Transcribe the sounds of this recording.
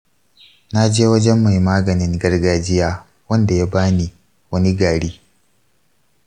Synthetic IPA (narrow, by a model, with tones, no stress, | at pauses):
na˦d͡ʒeː˦wɐ˦d͡ʒɛ˦mːa˨jmaː˦ɡɐ˨nɪ˦ŋɡɐ˦rɡaː˦d͡ʒɪ˦jaː˦ | wɐ˦nda˨ja˦baː˦ni˨ | wɐ˦ni˦ɡaː˨ɽiː˦